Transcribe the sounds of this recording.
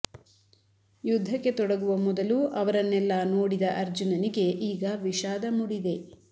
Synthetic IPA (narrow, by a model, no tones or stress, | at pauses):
jud̪ʱːɐkːe̞t̪ɔɽɐɡuʋɐmɔd̪ɐluʔɐʋɐɾɐnːɛlːɐnoːɽid̪ɐʔɐɾd͡ʒunɐnike̞ʔiːɡɐʋiʃaːd̪ɐmuɽid̪e̞